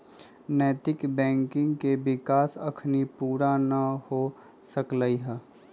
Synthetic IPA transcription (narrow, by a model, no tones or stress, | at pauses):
nəːt̪ɪkbɛ̃ːŋkɪ̃ŋɡkebɪkaːsɐkʰnipuːɾanɐho | səkləiɦɛː